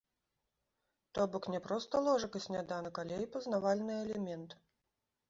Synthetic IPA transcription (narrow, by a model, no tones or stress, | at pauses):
t̪ɔbɔknʲɛpɾɔst̪ɐlˠɔʐɐkɐsʲnʲad̪anɨkalʲejpɐznavalʲnɨɛlʲɛmʲɛnt̪